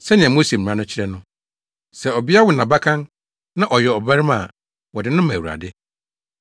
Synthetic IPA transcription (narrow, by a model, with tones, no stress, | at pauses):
sɛ˦nɪ̃˨ɛ̃˨mo˦se˨m̩˨ɾã˦nʊ̃˦t͡ɕʰɪ˦ɾɛ˦nʊ̃˦ | sɛ˨ɔ˨bi˦a˦wʊ˨nã˨ba˦kʰã˦n | nã˦ʔɔ˨jɛ˨ɔ˨ba˦ɾɪ˦ma˨ | wɔ˨dɪ˨nʊ̃˦mã˨wu˨ɾa̰˨dɪ˦